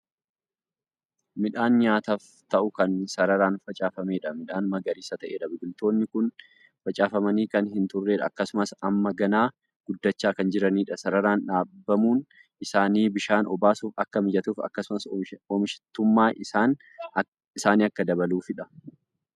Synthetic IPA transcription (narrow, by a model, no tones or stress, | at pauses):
mɪᶑaːnɲaːt̪ɐf | t̪ɐʔʊkɐnsɐɾɐɾaːnfɐt͡ʃʼaːfɐmeːᶑɐmɪᶑaːnmɐɡɐɾiːsɐt̪ɐʔeːᶑɐbɪɡʊlt̪o̞ːnːɪkʊn | fɐt͡ʃʼaːfɐmɐniːkɐnɦɪnt̪ʊrːeːᶑɐːkːɐsʊmɐsɐmːɐɡɐnaː | ɡ̥ʊd̪ːɐt͡ʃːaːkɐnd͡ʒɪɾɐniːᶑɐsɐɾɐɾaːnᶑaːbːɐmuːn | ʔɪsaːniːbɪʃaːnʔɔbaːsuːfɐkːɐmɪd͡ʒɐt̪uːfɐ̰kːɐsʊmɐsɔmɪʃɪ̥t̪ːʊmːaːʔɪaːn | ɪsaːniːɐkːɐd̪ɐbɐluːfɪᶑɐ